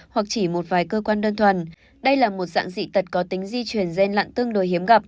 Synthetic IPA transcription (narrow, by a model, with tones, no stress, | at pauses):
hwa˨˩k̚t͡ɕi˧˩mo˨˩t̚vaː˨˦jkəː˧kwaː˧nɗə˧nt̪ʰwə˨˩n | ɗə˧jlaː˨˩mo˨˩t̚za̰ː˧˥ŋzḭ˧˥t̪ə˨˩t̚kɔ˨˦t̪ï˨˦ŋ̟zi˧t͡ɕwi˨˩ənzɛ˧nla̰ː˧˨nt̪ɨ˧əŋɗo˨˩jhi˨˦əmɣa˨˩p̚